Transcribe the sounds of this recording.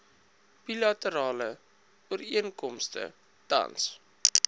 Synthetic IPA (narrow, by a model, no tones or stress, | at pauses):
b̥ilɐtəɾɑːlə | uəɾiənkɔmstə̰ | d̥ɐ̰ns